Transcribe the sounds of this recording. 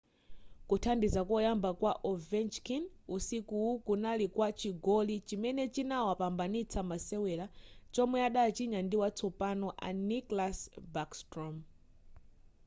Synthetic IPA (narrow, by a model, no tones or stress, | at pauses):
kutʰandizakɔjambakwaʔɔvɛnt͡ʃkinusikuwukunalikwat͡ʃiɡɔlit͡ʃimɛnɛt͡ʃinawapambanit͡sʰamasɛwɛlat͡ʃɔmwɛaɗat͡ʃiɲandiwat͡sʰɔpanɔʔa̰niklasbakstɾɔm